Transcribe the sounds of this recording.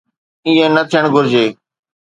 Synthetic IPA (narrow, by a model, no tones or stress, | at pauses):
ɪ̃ːẽːnət̪ʰijəɽ̃ɡʱʊɾd͡ʑeː